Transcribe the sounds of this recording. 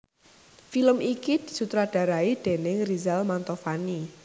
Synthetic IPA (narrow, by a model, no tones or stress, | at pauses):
filəmikid̪̥i̤sut̪ɾaɖ̥ä̤ɾaid̪̥e̤nɪŋrizalmant̪ɔfani